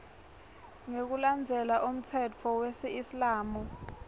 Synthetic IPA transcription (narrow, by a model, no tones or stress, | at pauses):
ŋek̬uland͡zʱɛlaʔum̩tʰɛt͡fʰɔwesiislaːmu